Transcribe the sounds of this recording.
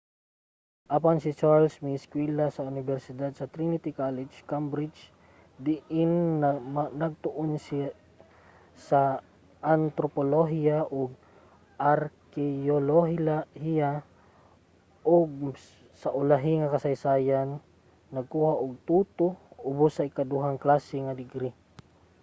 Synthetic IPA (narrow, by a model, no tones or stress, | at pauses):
ʔapansɪt͡ʃaɹlsmɪskwɛlasɐʊnɪbɛɾsɪd̪ad̪̚sɐt̪ɾinɪt̪ɪkalɪd͡ʒkambɾɪd͡ʒ | d̪ɪʔɪn | nɐɡ̚t̪ʊʔons | sɐ | ʔant̪ɾopoloɦiaʔʊɡ̚ | ʔaɾkɛoloɦhia | ʔʊɡ̚ | saʔʊlaɦɪŋakɐsajsaːjanː | ɐɡ̚kuːhaʔʊɡ̚t̪uːt̪oʊbosːɐɪkad̪uɦaŋklaːsɛŋad̪ɪɡɾi